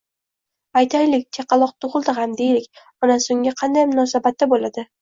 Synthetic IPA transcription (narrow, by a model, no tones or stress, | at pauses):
ajt̪ʰajlɪk̚ʲt͡ʃ̪ʰeqɑlˠɒq̚t̪ʰʊʁɨlˠd̪ɪɦamd̪ejlɪkʲ | ɒnasoŋʲaqʰɑnd̪ajmʊnɒsabat̪ːabolad̪ɪ